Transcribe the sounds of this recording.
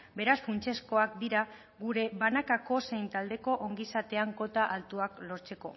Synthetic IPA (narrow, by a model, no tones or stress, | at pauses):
be̞ɾasfunt͡ʃe̞sko̞ak̚d̪iɾa | ɡuɾe̞βanakako̞se̞jnt̪ald̪e̞ko̞ʔoŋɡisat̪e̞aŋko̞t̪aʔalt̪uaklo̞ɾt͡se̞ko̞̰